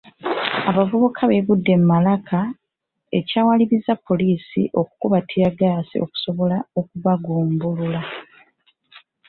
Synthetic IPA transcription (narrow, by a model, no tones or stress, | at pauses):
aβavuβukʰaβeβudːe̞mumalakʰa | e̞caːwaliβizapːo̞liːsḭʔo̞ku̥kuβatʰiɾaɡaːsḭʔo̞̰ku̥so̞βo̞lao̞kuβaɡuːmbulula